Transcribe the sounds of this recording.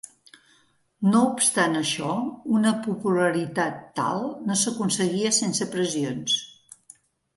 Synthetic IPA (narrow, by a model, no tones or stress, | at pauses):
noupst̪anəʃɔunəpupuləɾit̪at̪ːa̰lˠnosəkunsəɣiəsensəpɾəzions